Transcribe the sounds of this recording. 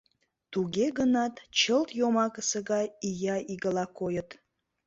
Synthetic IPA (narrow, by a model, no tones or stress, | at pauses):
t̪uɣeɡənɑt̪t͡ɕəlt̪jomɑkəsəɣɑjijɑʔiɣəlɑkojət̪